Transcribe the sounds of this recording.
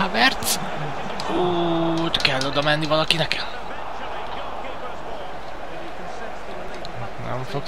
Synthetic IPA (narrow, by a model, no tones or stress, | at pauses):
avɛrt̪s | ot̪kɛlːod̪ɒmɛnːivɒlɒkinɛkɛl | nɛ̰ɱfok